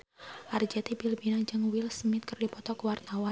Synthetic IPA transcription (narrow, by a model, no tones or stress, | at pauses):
ʔard͡ʒɛt̪ibilbinad͡ʒɨŋwilsmɪt̪̚kərdipɔt̪ɔkuwart̪awa